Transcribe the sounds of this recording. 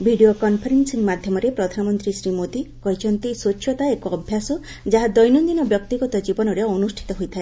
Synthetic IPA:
bʱiɖiokɔnpʰɔɾensiŋmad̪ʱjɔmɔɾepɾɔd̪ʱanɔmɔnt̪ɾisɾimot̪ikɔɦit͡ʃʰɔnt̪isot͡ʃʰjɔt̪aekoɔbʱjasɔ | d͡ʒaɦad̪ɔjnɔnd̪inɔbjɔk̚t̪iɡɔt̪ɔd͡ʒibɔnɔɾeɔnusʈʰi̥t̪ɔɦojt̪ʰae

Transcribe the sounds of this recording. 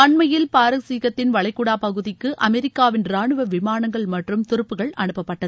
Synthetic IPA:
ɐɳmɐjɪlpaːɾɐsiːɣɐt̪ːɪnʋɐɭɐɪkːʊɽaːpɐɣɯðɪkːɯʔɐmɛɾɪkːaːʋɪnɾaːɳɯʋɐʋɪmaːɳɐŋɡɐɭmɐʈrɯmt̪ʊɾɯpːɯɣɐɭɐɳɯpːɐpːɐʈːɐð

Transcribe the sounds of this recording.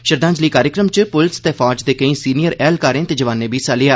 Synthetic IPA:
ʃəɾd̪ãːɲd͡ʒliːkaːɾjəkɾəmt͡ʃpʊlɪst̪eːfʰɔːd͡ʒd̪eːkəĩːsiːnijəɾɛːlkaːɾẽːt̪eːd͡ʒəʋãːnːeːbʱiːsaːlɪjaː

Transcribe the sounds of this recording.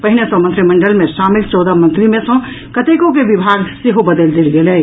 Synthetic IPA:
pəɦinesə̃mənt̪ɾiməɳɖəlmẽʃamilt͡ʃɔːd̪əmənt̪ɾimẽsə̃ | kət̪ekokebibʱaɡseɦobəd̪əld̪elɡelɛ

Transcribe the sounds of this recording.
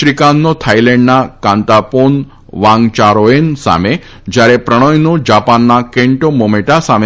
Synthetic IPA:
ɾikanːot̪ʰajlɛɳɖnakãnt̪apon | ʋãŋɡt͡ʃaɾoensa̰me | d͡ʒjaɾepɾəɽ̃ɔjnod͡ʒapanːakeɳʈomomeʈasame

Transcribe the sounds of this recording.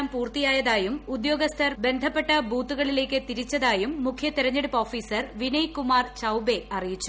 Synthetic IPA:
mpuːrt̪ijaːjɐðaːjumud̪jo̞ːɡɐst̪ʰɐrbe̞nd̪ʱɐpːe̞ʈːɐbuːt̪ːuɣɐɭile̞ːkːɨt̪iɾit͡ɕːɐðaːjumːukʰjɐt̪iɾɐɲːeɽupːo̞ːfiːsɐrʋinɐjkumaːrt͡ɕɐwbe̞ʔɐrijit͡ɕːu

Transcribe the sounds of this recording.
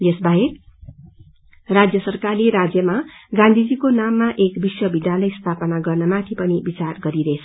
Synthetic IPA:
jesbaɦek | rad͡zjʌsʌrkarleɾad͡zjʌmaɡãnd̪ʱid͡zikonamːaʔekbiswʌbid̪ʱjalʌjst̪ʰapʌnaɡʌrnʌmat̪ʰipʌnibit͡sarɡʌɾiɾʌet͡sʰʌ

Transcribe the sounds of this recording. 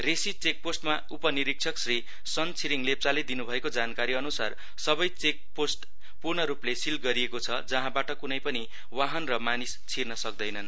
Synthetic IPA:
resit͡sek̚posʈma | upʌniɾik̚t͡sʰʌksri | sʌnt͡sʰiɾiŋlep̚t͡saled̪inubʱʌekod͡zankaɾiʌnusar | sʌbʌjt͡sek̚posʈ | purnʌɾuplesilɡʌɾiekot͡sʰʌd͡zʌɦãbaʈʌkunʌjpʌni | waɦʌnrʌmanist͡sʰirnʌsʌk̚d̪ʌjnʌn

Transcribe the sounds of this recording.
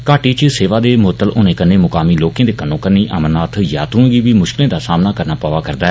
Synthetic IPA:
kaːʈiːt͡ʃseːʋaːd̪eːmʊət̪ːəlʔʊnẽːkənːeːmʊkaːmiːloːkẽːd̪eːkənːõːkənːiːʔə̰mənaːt̪ʰjaːt̪ũːɡiːʋiːmʊʃkɪlẽːd̪aːsaːmnaːkəɾnaːpaːʋaːkəɾd̪aːɛ

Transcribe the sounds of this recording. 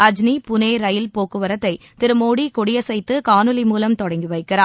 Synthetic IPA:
ɐd͡ʒnipʊneːɾɐjɪlpoːkːɯʋɐɾɐt̪ːɐɪ | t̪ɪɾɯmoːɽikɔɽɪjɐsɛjt̪ːɯkaːnɯlimuːlɐmt̪ɔɽɐŋɡiʋɐɪkːɪɾaː

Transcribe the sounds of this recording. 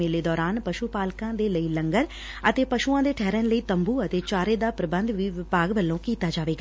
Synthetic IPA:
eːleːd̪ɔːɾaːnpəʃuːpaːlkãːd̪eːləiːləŋɡəɾ | ət̪eːpəʃuːãːd̪eːʈʰɛːɾənləiːt̪əmbuːət̪eːt͡ʃaːɾeːd̪aːpɾəbənd̪ʋiːʋɪpaːɡʋəlːõːkiːt̪aːd͡ʒaːʋeːɡaː

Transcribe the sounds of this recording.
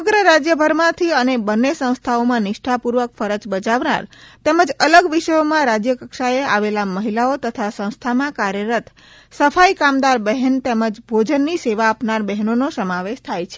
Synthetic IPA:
əɡɾəɾad͡ʒjəbʱəɾmãt̪ʰiənebənːesə̃w̃st̪ʰaomãnɪʃʈʰapuɾʋəkfəɾət͡ʃbət͡ʃaʋna̰ɾt̪eməd͡ʒələɡʋiʃəjomãɾad͡ʒjəkəkʃaea̰ʋelaməɦilaot̪ət̪ʰasə̃w̃st̪ʰamãkaɾjəɾət̪ʰ | səfaikamd̪aɾbəɦənt̪eməd͡ʒbʱod͡ʒənːiseʋaːpnaɾbɛɦnonosəmaʋeʃt̪ʰajt͡ʃʰe̥

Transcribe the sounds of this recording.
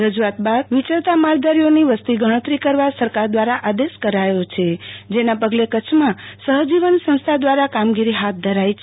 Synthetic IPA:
ɾəd͡ʒuat̪̚bad̪ʋit͡ʃəɭt̪amaɾd̪aɾijoniʋəst̪iɡʱəɽ̃ət̪ɾikəɾʋasəɾkaɾd̪ʋaɾaʔad̪eskəɾajot͡ʃʰed͡ʒenapəɡlekət͡ʃʰmãsəɦd͡ʒiʋənsə̃w̃st̪ʰad̪ʋaɾakamɡiɾiɦat̪̚ʰd̪ʱəɾajt͡ʃʰ

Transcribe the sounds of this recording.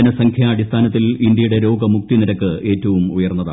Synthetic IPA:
ɐnɐsɐŋkʰjɐːɽist̪ʰaːnɐt̪ːilindjɐjuɽe̞ɾo̞ːɡɐmuk̚t̪iniɾɐkːɨʔe̞ːtːɐʋumujɐrnːɐða

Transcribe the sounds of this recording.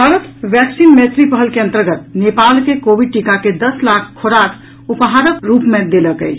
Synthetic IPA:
bʱaɾət̪ʋjɛksinmet̪ɾipəɦəlkeənt̪əɾɡət̪nepalkekobiɖ̚ʈikaked̪əslakʰkʰːoɾakʰ | upɦaɾəkt̪ɾupmed̪eləkə̰t͡ʃʰ

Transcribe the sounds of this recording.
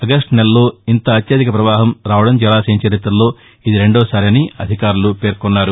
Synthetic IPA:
ɐɡɐsʈnelɐlo̞ːint̪ɐːt̪jɐd̪ikɐpɾɐʋaːɦɐmɾaːʋɐɽɐmd͡ʒɐlaːsɐɲt͡ʃɐɾit̪ɾɐlo̞ː | id̪iɾe̞ɳɖɔːsaːɾiɐniɐd̪ʱikaːɾulupe̞ːɾkɔnːaːɾu

